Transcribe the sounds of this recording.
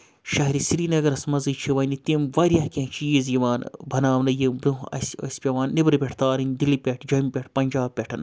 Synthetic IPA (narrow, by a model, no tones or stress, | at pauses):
ʃɐɦɾisiɾinɐɡɐɾɐsmɐzɨt͡ʃʰiʋɐnit̪imʋɐɾʲjɐhkʲẽːt͡ʃʰiːizjiʋaːnbʱɐnaːʋnɐjimbɾuɐ̰sɐ̰sʲpʲɐʋaːnːibɾɨbʲeʈʰt̪aːɾɨnʲd̪ilipʲeʈʰd͡ʒɐmpʲeʈʰpɐnʲd͡ʒaːb̚pʲeʈʰɐn